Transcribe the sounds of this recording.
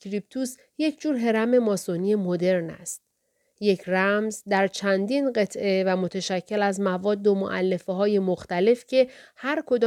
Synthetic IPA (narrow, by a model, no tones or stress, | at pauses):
ɾip̚t̪ʰus | je̞cʰd͡ʒuːɾɦe̞ɾæme̞mɒːsonie̞mod̪e̞ɾnæ̰st̪̚ | je̞cʰræmzd̪æɾt͡ʃʰænd̪iːnɢe̞t̪ʰʔe̞væmo̞t̪ʰeʃæcʰːe̞læzmævɒːd̪ːo̞mo̰ʔæ̰lːe̞feɦɒːje̞moxt̪æle̞fcʰe̞hæɾkʰo̞d̪ɒː